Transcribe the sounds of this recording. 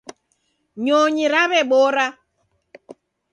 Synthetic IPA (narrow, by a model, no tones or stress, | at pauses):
ɲoɲiɾaβɛɓoɾa